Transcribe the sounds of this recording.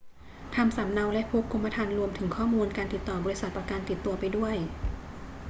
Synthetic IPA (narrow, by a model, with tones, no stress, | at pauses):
t̪ʰa˧msa˩˦mna˧wlɛ˦˥ʔpʰuː˦˥kʰːu˧mːa˧t̪ʰaː˧nɾu˧əmt̪ʰɯ˩˦ŋkʰɔː˥˩muː˧nkaː˧nt̪i˨˩t̪ːɔː˨˩bɔː˧ɾi˦˥sa˨˩t̪̚pɔ˧˩kaː˧nt̪i˨˩t̪ːu˧ɐpa˧jdu˥˩əj